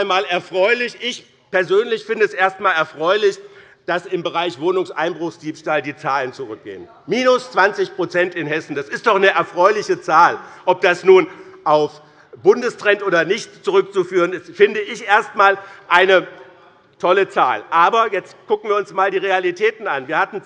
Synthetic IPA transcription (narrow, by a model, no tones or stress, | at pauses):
nmaːlɛɐfʁ̥ɔʏlɪçʔɪç | pɛɐzøːnlɪçfɪndəɛsʔeːɐstmaːlɛɐfʁ̥ɔʏlɪç | d̥asɪmbəʁaɪçv̥oːnʊŋsʔa̰ɪnbʁʊχsd̥iːpʃtaːldiːt͡saːlənt͡suʁʏk̚ɡ̥ḛːən | miːnʊst͡sv̥ant͡sɪçpʁ̥ot͡sɛntɪnɦɛsn̩d̥asɪstd̥ɔχnəʔɛɐfʁ̥ɔʏlɪçət͡saːlʔɔp̚d̥asnuːnʔaʊf | b̥ʊndəstʁ̥ɛntʔoːdɐnɪçtt͡suʁʏk̚t͡sufyːʁ̞ənɪstfɪndəɪçʔeːɐstmaːlʔaɪnə | tʰɔlət͡sa̰ːlʔaːbɐjɛt͡stkʊkŋ̩viːɐʊnsmaːldiːʁ̞ealitʰɛːtn̩anviːɐhatn̩